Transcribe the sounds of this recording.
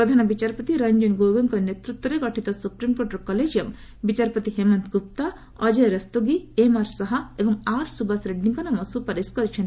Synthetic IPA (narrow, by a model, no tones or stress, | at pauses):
ɾɐd̪ʱanɐbit͡ʃaɾpɐt̪iɾɐɲd͡ʒunɡoɡɐŋkɔnet̪ɾut̪wɔɾeɡɔʈʰit̪ɔsupɾimkoʈɐɾkɔled͡ʒjɐm | bit͡ʃaɾpɐt̪iɦemɐnt̪kup̚t̪a | ɔd͡ʒeɾɐst̪oɡiemaɾsɐɦɐebɔŋaɾsubasɾeɖniŋkɐnɐmɐsupɐɾeskɔɾit͡ʃʰen